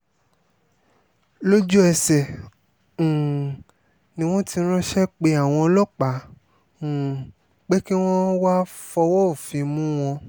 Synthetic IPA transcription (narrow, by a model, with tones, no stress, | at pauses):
lo˦d͡ʒu˦ɛ˧sɛ̃˨ | nĩ˧w̃ɔ̃˦ti˧˦ɾ̃ũ˦ʃɛ˦k͡pe˧a˨w̃ɔ̃˧lɔ˦˨k͡pã˨˦˨ | k͡pe˦ki˦w̃ɔ̃˦wa˦fɔ˧wɔ˦o˨fĩ˧mũ˦w̃ɔ̃˧